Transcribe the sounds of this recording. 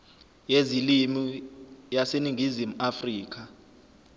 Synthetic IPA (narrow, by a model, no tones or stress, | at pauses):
jezilimijaseniŋʱizimuafriːk̬a